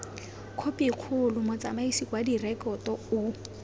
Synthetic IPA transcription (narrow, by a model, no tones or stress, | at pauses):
kʰopʼiq͡χʰʊlʊmʊt͡sʼamaisikʼwadirɛkɔtɔʊ